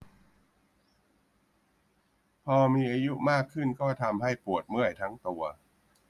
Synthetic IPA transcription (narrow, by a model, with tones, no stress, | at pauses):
pʰɔː˧miː˧ʔaː˧ju˦˥ʔmaː˥˩kʰːɯ˥˩nkɔː˥˩t̪ʰa˧mɦa˥˩jpu˨˩ət̪̚mɯ˥˩əjt̪ʰa˦˥ŋt̪u˧ɐ